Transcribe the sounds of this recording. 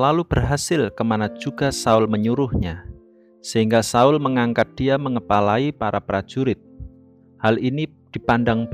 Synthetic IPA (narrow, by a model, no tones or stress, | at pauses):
lalub̥ərɦasɪlkəmanad͡ʒuɡasaʊlməɲuɾʊhɲa | səɦiŋɡasaʊlməŋaŋkat̪̚d̥iaməŋəpalaipaɾapɾḁd͡ʒ̥uɾɪt̪̚ | halini | d̥ipandaŋb